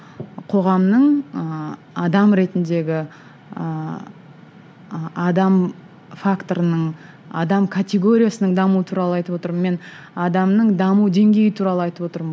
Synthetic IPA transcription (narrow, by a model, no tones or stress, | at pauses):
qʰo̞ʁɑmnəɴə | ɑd̪ɑmɾe̞t̪ɪnd̪e̞ɡʲɪ | ə | ɑd̪ɑm | fakt̪o̞ɾənəɴ | ɑ̰d̪ɑmkʰat̪ʲe̞ɡo̞ɾʲijasənəɴd̪ɑmuwət̪ʰuɾɑlˠəɑjt̪əpwo̞t̪əɾməme̞n | ɑd̪ɑmnəɴd̪ɑmud̪e̞ŋɡʲe̞jɪt̪ʰuɾɑlˠəɑjt̪əpwo̞t̪əɾmə